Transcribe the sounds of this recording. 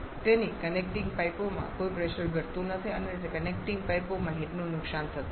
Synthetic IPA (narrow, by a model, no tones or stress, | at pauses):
t̪enikənekʈɪŋɡ̚pajpomã̰kojpɾeʃəɾɡʱəɾt̪ũnət̪ʰiənet̪ekənek̚ʈɪŋɡ̚pajpomãɦeʈnũnʊksant̪ʰət̪